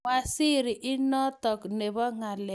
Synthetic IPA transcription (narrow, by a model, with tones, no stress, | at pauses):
a˨si˦ɾi˨ʔɪ˦nɔ˦tɔ˨kne˨bɔ˦ŋa˨lɛ˨